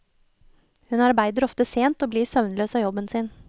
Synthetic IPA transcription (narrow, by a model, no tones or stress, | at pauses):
hʉnɑɾbæɪd̪əɾɔft̪əseːnt̪oːbliːsœʋnəløːsɑːjɔbənsɪːn